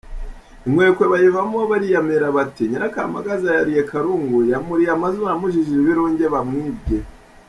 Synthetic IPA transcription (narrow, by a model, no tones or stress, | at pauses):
imweːkweβajevamoβaɾijameɾaβatiɲiɾaka̰ma̰ɡazajaɾijekʰaɾuŋɡujamuɾijamazuanamuʒiʒiiβiɾoːɲɟeβamŋiːb̚ɟe